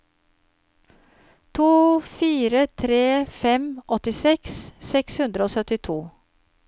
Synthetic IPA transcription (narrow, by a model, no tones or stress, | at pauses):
t̪ʰuːfiːɾət̪ʰɾeːfɛmʔɔt̪ɪsɛkssɛkshʉnd̪ɾəoːsœt̪ɪt̪ʰuː